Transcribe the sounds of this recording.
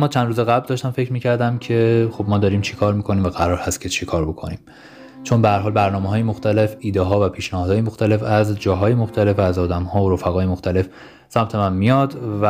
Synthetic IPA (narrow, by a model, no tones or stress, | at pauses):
mːɒːt͡ʃʰænd̪ɾuːzeɣæbld̪ɒːʃt̪æmfe̞cʰɾmiːcʰæɾd̪æmcʰe̞xobmɒːd̪ɒːɾiːmt͡ʃʰekʰɒːɾmiːkʰo̞niːmvæɣæɾɒːɾhæst̪̚cʰet͡ʃʰekʰɒːɾbo̞kʰo̞niːm | t͡ʃʰo̞nbehæɾɦɒːlbæɾnɒːmeɦɒːjemoxt̪ʰæle̞fiːd̪eɦɒːvæpʰiːʃnæhɒːd̪hɒːjemoxt̪æle̞fæzd͡ʒɒːɦɒːjemoxt̪ʰæle̞fæzɒːd̪æmhɒːoɾofæɣɒːjemoxt̪ʰæle̞f | sæmt̪ʰemænmijɒd̪væ